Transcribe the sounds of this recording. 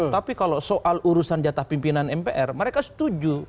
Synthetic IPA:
apikalosoʔaluɾusand͡ʒat̪ahpimpinanɛmpeʔɛrməɾekasə̥t̪ud͡ʒu

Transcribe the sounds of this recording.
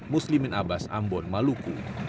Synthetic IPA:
muslimənabasa̰mbɔnmaluku

